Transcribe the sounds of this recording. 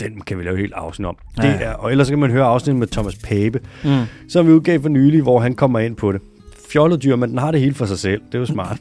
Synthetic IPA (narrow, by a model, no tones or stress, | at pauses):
d̥enkʰæʋilɛːʊhe̝̰ːld̥ɑ̈ʊsnidɒ̽md̥e̝ʔæɐʔɒ̽el̰ɐsːɒ̽kʰæmænɦøːɐɑ̈ʊsnid̥̩ˠmet͡sʰɒ̽mæspʰeːb̥əsɒ̽mʋiuðˠɡ̥ɛ̰ːfɒnyːliʋɒɦænkʰɒ̽m̰ɐe̝n̰pʰɒ̽ɾe̝ | fjɒləðˠdyɐ̰mend̥enɦɑ̈ɾe̝he̝ːləfɒ̽sɑ̈ɪsel̰d̥e̝josmɑ̰̈ːd̥